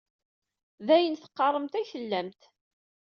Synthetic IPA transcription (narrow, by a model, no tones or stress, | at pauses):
ðæjənθə̥qːɑrˤəmt̪æjθəlːæmt̪